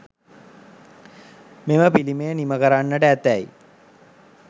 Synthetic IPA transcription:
meməpiliməjəniməkəɾanːəʈəæt̪æjḭ

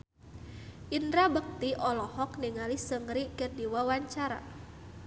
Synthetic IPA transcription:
ʔindɾabək̚t̪iʔɔlɔhɔkniŋalisəŋɾikərdiwawaɲt͡ʃaɾa̰

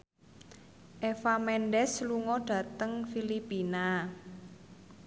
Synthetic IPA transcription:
ʔefamɛnɖɛsluŋɔɖ̥ä̤t̪əŋfilipina

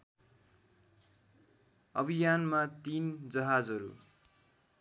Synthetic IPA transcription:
ʌbʱijanmat̪ind͡zʌɦad͡zʌɾṵ

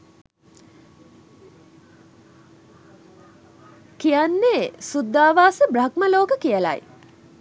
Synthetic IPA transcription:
kijanːesud̪ːaːʋaːsəbɾakməloːkəkijəla̰j

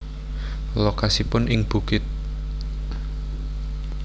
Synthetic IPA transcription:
lokasipʊnʔɪŋb̥ṳkɪt̪̚

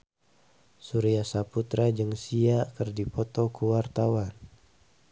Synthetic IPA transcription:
suɾiasaput̪ɾad͡ʒɨŋsiakərdipɔt̪ɔkuwart̪awan

